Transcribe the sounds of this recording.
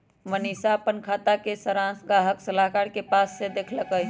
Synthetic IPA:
mənisapənkʰaːt̪akesəɾãsɡaɦəksəlaɦkaɾkepasːed̪eːkʰləkəɦ

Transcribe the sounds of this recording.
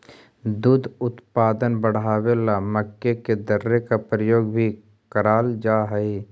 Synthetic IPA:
d̪uːd̪ʱʊt̪paːd̪ənbəɽ̤aːwelaməkːeked̪əɾːekapɾəjoːɡbʱi | kəɾaːld͡ʒaːɦɛe

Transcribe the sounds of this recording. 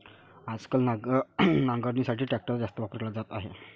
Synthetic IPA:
ad͡zkəlnanãŋɡəɾnisaʈʰiːʈɾɛk̚ʈəɾd͡zast̪əʋapəɾklad͡zat̪aɦḛ

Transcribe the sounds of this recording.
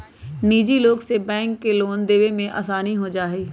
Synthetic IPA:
niːd͡ʒiloːɡsebɛ̃ːŋkːeloːnd̪eːʋemẽʔa̰ːsaːniɦod͡ʒaːɦeː

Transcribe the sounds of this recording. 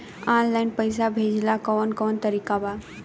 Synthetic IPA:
anlaɪnpəɪs̬abʱed͡ʒlakɔːnkɔːnt̪əɾikaba

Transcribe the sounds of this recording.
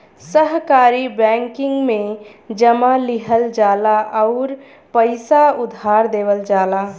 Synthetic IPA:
səɦkaɾibɛŋkɪ̃ŋɡmẽd͡ʒəmaliɦəld͡ʒaːlaʔɔʊɾ | pəɪsaʊd̪ʱaɾd̪eːbəld͡ʒaːla

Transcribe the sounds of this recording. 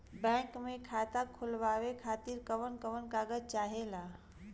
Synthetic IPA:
bɛ̃ŋkmekʰat̪akʰulʋaʋekʰaːt̪iɾkəʋənkəʋənkaɡət͡ʃaːɦela

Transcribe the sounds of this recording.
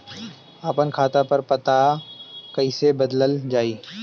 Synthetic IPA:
aːpənkʰaːt̪apɐɾpɐt̪a | kɐɪsebɐd̪ləld͡ʒaːiː

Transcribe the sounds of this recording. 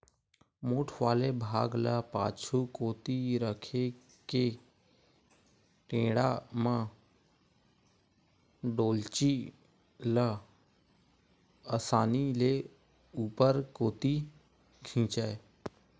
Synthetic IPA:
moːʈʰʋaːlebʱaːɡləpa̰ːt͡ʃʰukoːt̪iɾəkʰe | ke | ʈẽːɽamã | ɖoːlt͡ʃi | lə | əsaːnile | uːpəɾkoːt̪i | kʰĩːt͡ʃəːe

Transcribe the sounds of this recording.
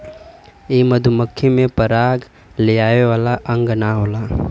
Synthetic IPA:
eːməd̪ʱuməkʰːemẽpəɾaːɡ | leaːeʋaːlaʔə̃ŋɡnaɦoːlaː

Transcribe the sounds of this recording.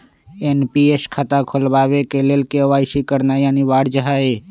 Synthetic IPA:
enpieːskʰat̪akʰolbaːʋekeleːlkeəʋaːɪsikəɾnajaːniʋaːɽd͡ʒəɦaːe

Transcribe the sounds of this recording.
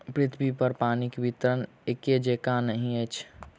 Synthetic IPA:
pɾɪt̪ʰbipəɾpaːnikebit̪əɾən | eked͡ʒekanəɦĩət͡ʃʰ

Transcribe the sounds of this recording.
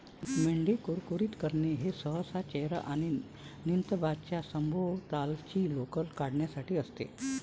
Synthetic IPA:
meɳɖikuɾkuɾiːt̪kəɾneɦesəɦəsat͡ɕeɦɾa̰ʔaɽ̃i | nint̪əbad̪̚t͡ɕjasəmbʱoɭt̪alt͡ɕiːlokəlkaɽɳjasaʈiːəst̪ḛ

